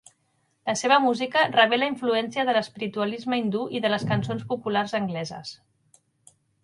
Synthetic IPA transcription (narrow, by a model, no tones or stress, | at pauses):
ləseβəmuzikərəβ̞ɛləiɱfluɛnsiəðələspiɾit̪uəlizməind̪uʔiðələskənsonspupularzəŋɡlɛzə̰s